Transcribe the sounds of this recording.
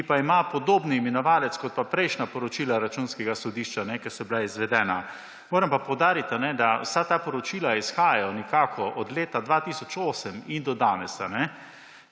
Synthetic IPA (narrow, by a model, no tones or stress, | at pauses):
kipaimapɔd̪oːbnimɛnɔʋaːlɛt̪skɔt̪̚papɾɛjʃnapɔɾɔt͡ʃilaɾat͡ʃunskɛɡasɔd̪iːʃt͡ʃanɛkɛsɔbilaizʋɛd̪ɛːna | moːɾɛmpapɔwd̪aːɾit̪anɛd̪awsat̪aːpɔɾɔt͡ʃiːlaisxaːjaɔnɛkaːkʰɔʔɔd̪leːt̪ad̪ʋat̪iːsɔt͡ʃoːsəmind̪ɔd̪aːnɛsa̰nɛ